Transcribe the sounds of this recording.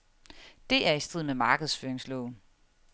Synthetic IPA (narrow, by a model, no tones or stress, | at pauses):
d̥e̝ʔæɐisd̥eð̰ˠmemɑ̈ːɡ̥əðˠsføːɐeŋslɔʊn̩